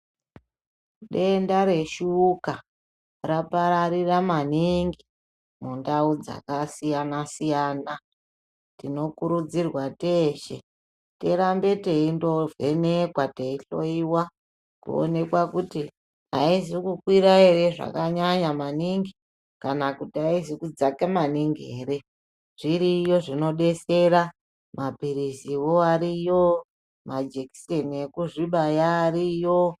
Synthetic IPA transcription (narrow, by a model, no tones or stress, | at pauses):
ɗe̞ndaɾe̞ʃuːka | rapaɾaɾiramaniŋɡi | mundaud͡za̰kasijanasijaːna | tino̞kuɾud͡zirwateːʃḛ | te̞ɾambe̞te̞indo̞ve̞nekwate̞iɬo̞iwa | kṵo̰ne̞kwakuti | a̰isikukwiɾae̞ɾe̞ʐa̰kaɲaɲamaniŋɡi | kanakutiaisikud͡zakemaniŋɡieːɾe̞ | ʐ̥iɾijo̞ʐino̞ɗe̞se̞ɾa | mapiɾisiwo̞aɾijo | mad͡ʒeki̥senekuʐiɓajaːɾijo